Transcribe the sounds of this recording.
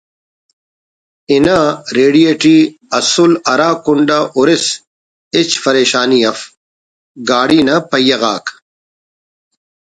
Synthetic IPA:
inaɾeːɖijeːʈiːɐsulɐɾaːkuɳɖaʔuɾis | it͡ɕpɐɾeːɕaːnijɐf | ɡaːɽiːnɐpɐjɐɣaːk

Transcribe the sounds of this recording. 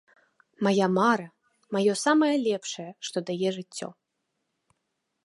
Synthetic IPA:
majamaɾɐ | majɔsamɐjɐlʲɛpʂɐjɛʂt̪ɔd̪ajɛʐɨt͡sʲːɔ̰

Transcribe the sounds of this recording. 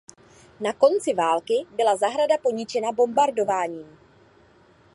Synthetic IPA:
nako̞nt͡sɪvaːlkɪbɪlazaɦɾadapo̞ɲɪt͡ʃɛnabo̞mbaɾdo̞vaːɲiːm

